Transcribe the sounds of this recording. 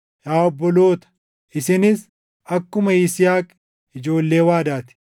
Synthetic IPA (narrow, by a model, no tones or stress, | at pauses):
jaːɔbːɔlo̞ːt̪ɐ̥ | ʔɪsɪnɪs | ɐkːʊmɐiːsɪjaːkʼː | ɪd͡ʒo̞ːlːe̞ːwaːd̪aːt̪ɪ̥